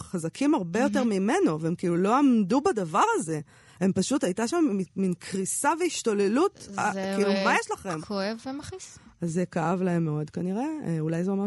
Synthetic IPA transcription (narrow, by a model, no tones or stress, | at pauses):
χazakʰimaʁbe̞jo̞t̪̬e̞ʁmime̞no̞veemkiːlulo̞amdubadavaʁaze̞ | e̞mpaʃutajtaʃamiminkʁisaveiʃto̞le̞lutakiilumajeʃlaχe̞mkoevemaχis | azːekaavlae̞mːeo̞dkaniʁe̞ulajzeome